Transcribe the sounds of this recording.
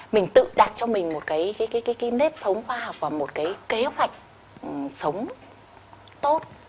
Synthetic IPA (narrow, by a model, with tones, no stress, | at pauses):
mï˨˩ŋ̟t̪ɨ̰˧˨ɗa˨˩t̚t͡ɕɔ˧mï˨˩ŋ̟mo˨˩t̚kaː˨˦jkaː˨˦kaː˨˦kaː˨˦jka˨˦ne˦˥p̚sə˨˦wŋ͡mxwaː˧hɔ˨˩wk͡p̚vaː˨˩mo˨˩t̚kaː˨˦jke˨˦hwa˨˩jk̟̚ | sə˨˦wŋ͡m | t̪o˦˥t̚